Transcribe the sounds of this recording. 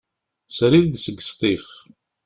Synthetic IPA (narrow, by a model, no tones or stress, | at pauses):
sɾiððsəɡə̥st̪ˤiχ